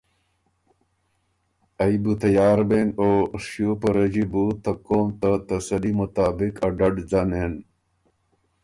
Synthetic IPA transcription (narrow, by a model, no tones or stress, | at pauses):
ɐibut̪ɐjaːɾbenoːʂjoːpɐɾɐd͡ʑibut̪ɐkoːmt̪ət̪ɐsɐlimut̪aːbikɐɖɐɖzanen